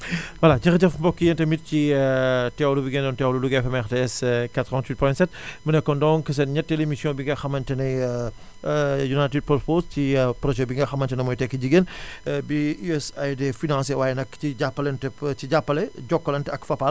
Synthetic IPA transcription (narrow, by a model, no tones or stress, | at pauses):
wɐlaɟixɟɐfbɔkːijɛntɐmit̚ci | tɛwlubiɡendɔntɛwluluɡɛfɛmɛxteɛskatɾɔntwit̚pɔjtsɛt̚bunɛkːɔndɔŋkɐs̬ɐnɲɐtːelemisjɔ̃ːbiŋɡɐxɐmɐntɛnɐ | junajtid̚pɔposcipɾɔʒɛbiŋɡɐxɐmɐntɛnɐmɔjtɛkːiɟiɡenbiuɛsajdefinãnsewaːjɛnɐkːiɟapːɐlɛntɛt͡ʃiɟapːɐlɛɟɔkːɐlɐntɐkfɐpa